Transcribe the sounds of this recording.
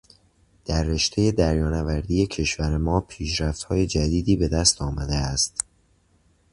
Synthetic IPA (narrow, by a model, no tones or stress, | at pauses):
d̪̥æɾːe̞ʃt̪ʰe̞je̞d̪æɾjɒːnævæɾd̪iːje̞cʰe̞ʃvæɾemɒːpʰiːʃɾæft̪hɒːje̞d͡ʒæd̪iːd̪iːbe̞d̪æst̪ɒːmæd̪eæst̪